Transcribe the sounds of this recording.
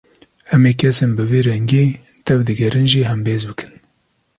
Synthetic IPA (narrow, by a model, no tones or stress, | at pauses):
hɛmeːkʰɛsenbɨveːɾɛŋɡeː | t̪ɛwd̪ɨɡɛɾɨnʒiːɦɛmbeːzbɨkʰɨ̥n